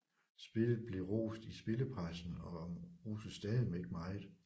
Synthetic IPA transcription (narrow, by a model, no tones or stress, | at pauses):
sb̥e̝lð̩ˠb̥le̝ʁo̰ːsd̥isb̥e̝ləpʰʁɑɪsn̩ɒ̽mʁṵːsəsd̥ɛːðimeɡ̥əmɑ̈ɪð̩ˠ